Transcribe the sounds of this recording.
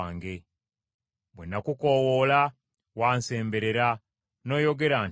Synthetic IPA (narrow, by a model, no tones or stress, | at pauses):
ŋɡe̞ | mwenːakuko̞wola | waːnse̞ːmbe̞ɾe̞ɾa | no̞ːjo̞ɡe̞ɾaːn